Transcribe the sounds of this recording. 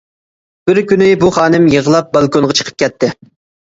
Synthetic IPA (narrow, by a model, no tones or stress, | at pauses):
b̥ɪɾkʲynɪbuχɑːnɨmjəʁəlˠɑp̚bɑlˠkonʁɑt͡ʃʰə̥qʰə̥p̚kʲʰɛt̪ʰːɪ